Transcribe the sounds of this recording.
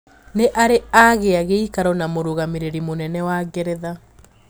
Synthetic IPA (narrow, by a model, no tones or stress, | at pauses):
neʔaɾeaɣeaɣeikaɾɔnamoɾoɣameɾeɾimonɛnɛwaɡɛɾɛða